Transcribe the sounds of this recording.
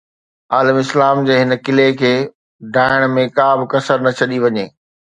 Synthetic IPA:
aːləmɪslaːmd͡ʑeːɦɪnə̆kɪlekʰeː | ɖʱaːɪɽ̃mẽkaːbɪkɐsəɾnɐt͡ɕʰɐɗiʋɐɲeː

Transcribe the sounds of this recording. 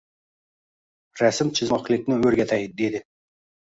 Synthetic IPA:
ɾæsɪmt͡ʃʰɪzɒqlˠɪkʲnɪɵɾɡʲæt̪ʰæjd̪ed̪ɪ

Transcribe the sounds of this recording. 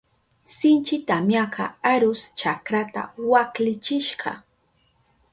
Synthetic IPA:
sɪnt͡ʃɪt̪amjaka̰aɾʊst͡ʃakɾat̪a̰waklɪt͡ʃɪʃɢɑ̰

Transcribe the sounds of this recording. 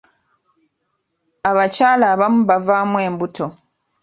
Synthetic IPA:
aβacaːlaːβamuβavaːmwe̞ːmbutʰo̞

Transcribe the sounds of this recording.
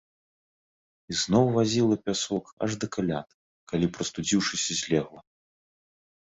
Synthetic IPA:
iznɔwvazʲilˠɐpʲasɔkɐ̰ʐd̪ɐkalʲa̰t̪̚ | kalʲipɾɐst̪ud͡zʲiwʂɨsʲɐzʲlʲɛɣlˠɐ

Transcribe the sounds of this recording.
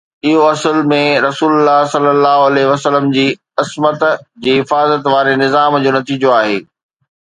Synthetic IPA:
ɪɦoɐsəlmẽɾɐsuːlʊlːaɦsɐlːəlːaːɦoɐlɛɦʋɐsələmd͡ʑiː | ɪsmət̪d͡ʑiːɦɪfaːzət̪ʋaːɾenɪzaːmd͡ʑoːnɐt̪iːd͡ʑoaːɦeː

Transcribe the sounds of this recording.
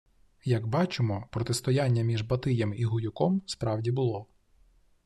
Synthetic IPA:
jɐɡbɑt͡ʃɪmɔpɾɔt̪ɪst̪ɔjanʲːɐmʲiʒbɐt̪ɪjɛmiɦʊjʊkɔmspɾɑwdʲibʊlˠɔ

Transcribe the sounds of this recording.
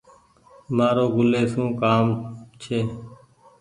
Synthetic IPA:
maːɾoːɡʊleːsũːkaːmt͡ʃʰeː

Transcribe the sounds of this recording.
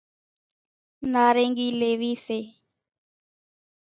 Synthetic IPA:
naɾeŋɡilewise

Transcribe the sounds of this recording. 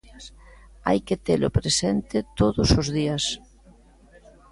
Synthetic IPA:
a̰jket̪elʊ̰pɾesɛnt̪ɪt̪oðʊsʊzðiɐs

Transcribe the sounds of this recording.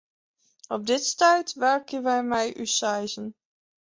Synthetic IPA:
ɔp̚dɪtstœɥtʋɛɹkənʋɛjmɛjʔysajzən

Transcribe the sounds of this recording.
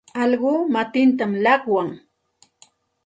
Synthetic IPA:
ɑʎɢʊːmat̪ɪnt̪amlɑχwaŋ

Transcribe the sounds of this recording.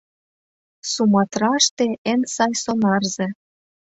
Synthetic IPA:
sumɑt̪rɑʃt̪ĕensɑjsonɑrzĕ

